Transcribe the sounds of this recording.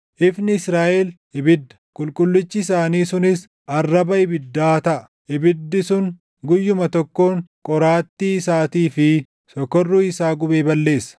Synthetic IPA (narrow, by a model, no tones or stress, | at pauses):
ʔɪfnɪɪsɾaːʔɛl | ɪbɪd̪ːɐ̥kʼʊlkʼʊlːɪt͡ʃːɪːs̬aːniːsʊnɪs | ɐrːɐbɐɪbɪd̪ːaːt̪ɐʔɐ | ʔɪbɪd̪ːɪsʊŋ | ɡʊjːʊmɐt̪ɔkːo̞ːŋkʼɔɾaːt̪ːiːsaːt̪iːfɪ | sɔkːɔrːuːɪsaːɡʊbeːbɐlːe̞ːsːɐ̥